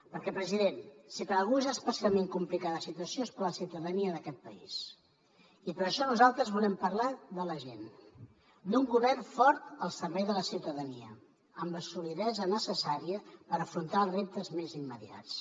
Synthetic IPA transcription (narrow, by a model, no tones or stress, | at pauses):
pəɾkɛpɾəziðensikəalˠɣuezəspəsialˠmeŋkumplikaðəsit̪uəsioespəɾləsiwt̪əðəniəðəkɛt̪̚pəḭs | ipəɾəʃɔnuzalˠt̪ɾəzβulɛmpərlaðələʒen | d̪uŋɡuβɛrnfɔɾt̪əlˠsəɾβɛjðələsiwt̪əðəniə̰ | əmbəsuliðɛzənəsəsaɾiəpəɾəfɾunt̪alˠrep̚t̪əzmezimːəðia̰t͡s